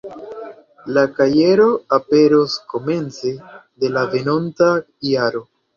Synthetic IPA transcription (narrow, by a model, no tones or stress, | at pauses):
lakaje̞ɾo̞ape̞ɾosko̞me̞nt͡se̞de̞lave̞no̞nta | jaɾo̞